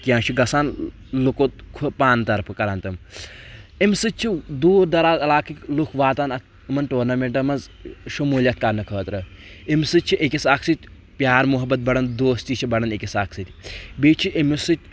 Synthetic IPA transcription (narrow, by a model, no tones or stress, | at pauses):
kjãːt͡ʃʰuɡɐsaːn | lukot̪kʰupaːnt̪ɐɾpʰɨkɐɾɐnt̪ɐm | imsɨt̪̚t͡ʃʰid̪uːɾd̪ɐɾaːzɐlaːkʰikʲlukʰʋaːt̪aːnɐ | imɐnʈoːɾnɐmeɳʈɐmɐnz | ʃɐmuːlʲjɐt̪̚kɐɾnɨkʰəːt̪ɾɐ | imsɨt͡ʃʰiʔekʲisaːkʰsɨt̪ʲ | pʲjaːɾmuɦɐbːɐt̪̚bɐɽɐnd̪oːst̪it͡ʃʰibɐɽɐnekʲisaːkʰsɨt̪ʲbiːt͡ʃʰiʔimisɨt̪̚ʲ